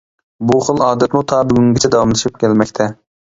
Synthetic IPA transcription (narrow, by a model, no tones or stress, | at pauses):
buχəlˠɑːd̪ɛt̪mut̪ʰɑːbyɡʲyŋɡʲɪt͡ʃʰɛd̪ɑwɑmlˠɨʃip̚kʲʰɛlmɛkʲt̪ʰɛ